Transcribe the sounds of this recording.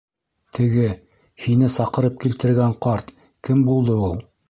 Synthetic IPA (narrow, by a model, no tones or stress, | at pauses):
t̪ʰɘ̆ɡɘ | hinɘsɑqɤ̆ɾɤp̚kilt̪ɘ̆ɾɡæɴqɑɾt̪ | kɘmbulˠd̪ɤulˠ